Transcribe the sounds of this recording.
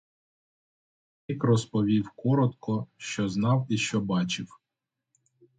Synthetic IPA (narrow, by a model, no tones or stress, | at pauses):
ikrɔspɔʋʲiwkɔɾɔt̪kɔʃt͡ʃɔznɑwiʃt͡ʃɔbɑt͡ʃɪw